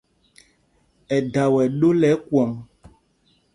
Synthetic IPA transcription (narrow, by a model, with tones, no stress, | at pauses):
ɛ˨da˨wɛ˨ɗo˦lɛ˨˦kwɔ˨m